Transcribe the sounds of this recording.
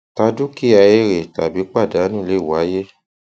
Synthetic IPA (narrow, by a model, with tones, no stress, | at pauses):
ta˧du˦ki˦˨a˧e˦ɾe˨ta˨bi˨˦k͡pa˦˨da˨˦nũ˦˨le˦˨wa˨˦je˦